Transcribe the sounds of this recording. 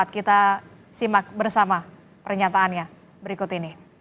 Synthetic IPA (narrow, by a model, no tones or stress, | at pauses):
at̪̚kit̪a | simak̚bərsama | pərɲat̪aːnɲa | bəɾikʊt̪ini